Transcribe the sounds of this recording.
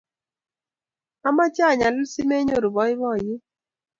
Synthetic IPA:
a˦ma˦t͡ʃa˦˨ɲa˨lʊ˦si˦me˦ɲo˦˨ɾu˨bɔ˨˦ɪ˦βɔ˦˨jɪ˦

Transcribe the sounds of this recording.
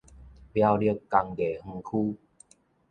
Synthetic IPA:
pja˦˧wlə˥˧˦kkːa˧ŋɡe˨˩h̩˧kʰu˦

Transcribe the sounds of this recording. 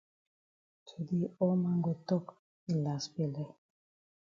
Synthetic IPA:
tʰu˨di˦ɔ˦ma˦ŋɡo˨t̪ɔ˦k | i˨la˨sbi˨lɛ˦˨

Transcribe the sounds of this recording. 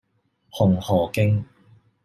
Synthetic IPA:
hʊ˨˩ŋhɔː˨˩kɪ˥ŋ

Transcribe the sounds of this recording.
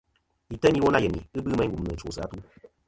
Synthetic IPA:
i˨tə˦ni˦wo˦na˦˨jə˨nḭ˨ɨ˦bɨ˦mɛ˦ɡu˨m˦nɨ˨t͡ʃo̰˨sɨ˨a̰˨˦tu˦

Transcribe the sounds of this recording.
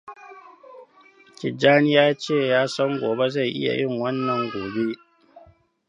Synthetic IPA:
kʲɪ˨d͡ʒaː˦nɪ˦jaː˦t͡ʃeː˦˨jaː˦sɐ˦ŋɡʷoː˨be˦za˦˨jʔɪ̰˦ja̰˨jʔɪ˦˨ŋwɐ˦nːɐ˨ŋɡʷoː˨be˦ʔ

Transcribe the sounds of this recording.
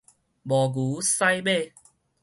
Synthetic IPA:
mɔ˨˩ɡu˨˦sa˥˧jbe˥˧˨

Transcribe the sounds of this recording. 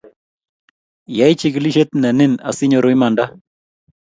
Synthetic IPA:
ja˦ɪ˦t͡ʃi˦kli˦ʃe˦t̪̚na˨ne˦na̰˨sɪ˦ɲo˨ɾo˨ɪ˦ma˨nda˦

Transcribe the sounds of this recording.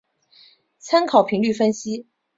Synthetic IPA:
t͡sʰa˥nkʰɑ˨˩ʊpʰi˧˥ŋly˥˩fə˥nɕi˥

